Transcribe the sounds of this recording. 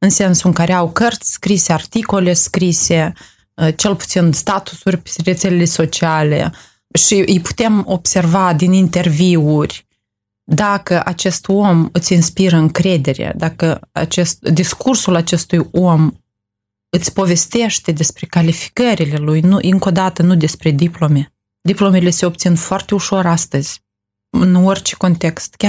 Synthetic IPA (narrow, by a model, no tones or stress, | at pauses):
ɨnse̞nsuɨŋkaɾeawkərt̪sʲskɾiseart̪iko̞le̞skɾise̞ | t͡ʃe̞lpu̥t̪sinst̪at̪u̥surʲpre̞t̪se̞lele̞so̞t͡ʃiale̞̰ | ʃiʔɨjpu̥t̪e̞mo̞bservad̪inint̪e̞rviurʲ | d̪akəʔat͡ʃe̞st̪o̞mɨt̪sʲinspiɾəɨŋkɾe̞d̪e̞ɾḛd̪akəa̰t͡ʃe̞st̪d̪iskursulat͡ʃe̞st̪ujom | ɨt̪sʲpo̞ve̞st̪e̞ʃt̪e̞d̪e̞spɾe̞kalifi̥kəɾile̞lujnuʔɨŋko̞d̪at̪ənud̪e̞spɾe̞d̪iplo̞me̞ | d̪iplomele̞se̞op̚t̪sinfoart̪e̞uʃo̞ɾast̪əzʲ | ɨno̞rʲt͡ʃe̥ko̞nt̪e̞kst̪kʲa